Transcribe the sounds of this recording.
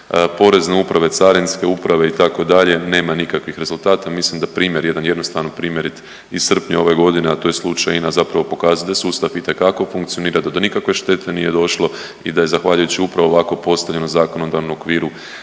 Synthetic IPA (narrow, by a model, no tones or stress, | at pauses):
po̞ɾe̞zne̞upɾaʋe̞t̪saɾinske̞upɾaʋe̞it̪ako̞d̪aʎe̞ne̞ːmanikakʋixɾe̞zulˠt̪aːt̪amislimd̪apɾiːmje̞ɾje̞d̪anjed̪no̞st̪aʋnopɾiːmje̞ɾit̪ | isr̩pɲeo̞ʋe̞ɡo̞d̪ineat̪o̞je̞slˠut͡ʃajinazapɾaʋo̞po̞kaːzat̪esuːst̪afit̪e̞kako̞fuŋkt̪sijo̞niːɾad̪ad̪o̞nikakʋe̞ʃt̪e̞t̪ʰe̞nije̞d̪o̞ʃlˠo̞ | id̪aje̞zaxʋaʎujut͡ɕiupɾaʋoʋako̞po̞st̪aʋʎe̞nozaːko̞no̞d̪aʋnomokʋiːɾu